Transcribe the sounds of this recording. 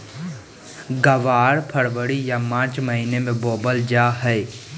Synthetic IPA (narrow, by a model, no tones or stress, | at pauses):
ɡəʋaːɾpʰəɽʋəɽijamãːt͡ʃməɦinemẽboːbəld͡ʒaːɦɛɪ